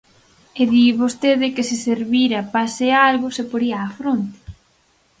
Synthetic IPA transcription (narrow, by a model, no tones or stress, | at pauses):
eðiβost̪eðɪkesiseɾβiɾɐpasealɣʊsepoɾiaːfɾont̪e̥